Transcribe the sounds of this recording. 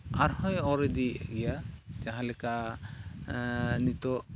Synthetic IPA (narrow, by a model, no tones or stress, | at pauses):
aɾhɔ̃jɔɾɛd̪iɡɛjad͡ʒaɦãlɛka | nit̪ɔ